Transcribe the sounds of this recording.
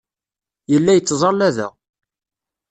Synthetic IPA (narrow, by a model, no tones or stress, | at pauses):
jəlːæjət͡sːzˤɑlːæðæ̰